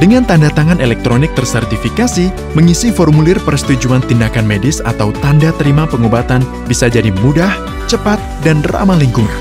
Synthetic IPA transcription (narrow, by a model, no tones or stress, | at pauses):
dəŋant̪andat̪aŋanelɛk̚t̪ɾonɪk̚t̪ərsərt̪ifikasi | məŋisifɔrmulɪrpərsə̥t̪ud͡ʒuant̪indakanmedɪsa̰t̪awt̪andat̪əɾimapəŋobat̪an | bisad͡ʒadimudah | t͡ʃəpat̪̚danra̰maliŋkuŋan